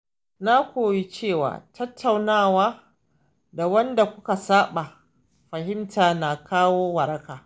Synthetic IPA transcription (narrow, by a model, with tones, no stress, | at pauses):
na˦kʷoː˨wi˦t͡ʃeː˦˨wa̰ː˨tʰɐ˦tʰːa˨wnaː˦˨waː˦ | da˨wɐ˦nda˨kʷʊ˦ka˨saː˦ɓa˨ | ɸɐ˨ɦɪ˦mtaː˨na˨kaː˦woː˦wɐ˨ɾɐ˦kaː˨